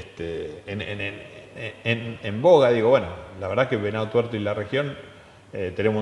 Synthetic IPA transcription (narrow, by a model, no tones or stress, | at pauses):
t̪enenenenemboɣaðiɣo̞βwenolaβeɾðakeβenaot̪weɾt̪oilarexjo̞n | et̪e̞nemos